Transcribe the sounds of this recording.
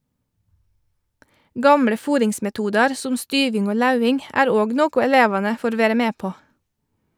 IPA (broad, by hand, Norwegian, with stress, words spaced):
ˈɡɑmɽə ˈfuːɾɪŋsmɛˌtuːdɑɾ ˈsʊm ˈstyːʋɪŋ ˈoː ˈlɑʉɪŋ ˈæːɾ ˈoːɡ ˈnoːkʊ ɛˈleːʋɑnə ˈfoːɾ ˈʋeːɾə ˈmeː ˈpoː